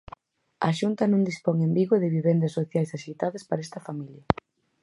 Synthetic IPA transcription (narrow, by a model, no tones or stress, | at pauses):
ɐ̰ʃunt̪ɐnõŋd̪ispoŋembiɣoðɪβiβend̪ɐsːoθjajsaʃit̪aðɐspaɾɛst̪ɐfamiljɐ